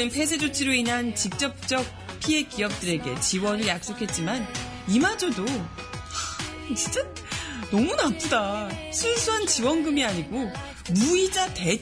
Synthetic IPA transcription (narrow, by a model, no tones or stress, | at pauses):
ɯnpʰe̞s̬ʰe̞d͡ʑot͡ɕʰiɾoinɦant͡ɕik̚t͡ɕ͈ʌp̚t͡ɕ͈ʌk̚ | pʰie̞kiʌp̚t͈ɯɾe̞ɡe̞t͡ɕiwʌnɯɭjak̚s͈okʰe̞t̚t͡ɕ͈iman | imad͡ʑodo | t͡ɕi̥nt͡ɕ͈a | nʌmunat͈ʰudasʰunsʰuɦant͡ɕiwʌnɡɯmiaɲiɡo | muid͡ʑate̞